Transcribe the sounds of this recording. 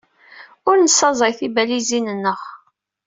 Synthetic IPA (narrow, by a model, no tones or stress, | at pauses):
ʊɾnəsːɑzˤɑjθibælizinənːəχ